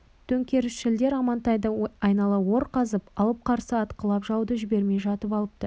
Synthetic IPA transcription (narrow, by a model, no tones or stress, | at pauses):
t̪ʰɵŋkʲe̞ɾɪsʃɪld̪e̞ɾɑmɑnt̪ɑjd̪əɑjnɑlˠɑwo̞ɾqɑzəpɑlˠəp̚qʰɑɾsəɑt̪qəlˠɑpʒɑwd̪əʒɪbe̞ɾme̞jʒɑt̪əpɑlˠəp̚t̪ə